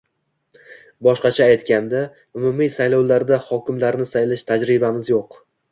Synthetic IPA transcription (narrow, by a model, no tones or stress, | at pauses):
bɒʃqɑt͡ʃʰaːjt̪kʲand̪a | ʊmʊmijsajlɒwlaɾd̪ahɒkʲɪmlaɾnɪsajlɪʃt̪ʰad͡ʒɾɪbamɪzjoq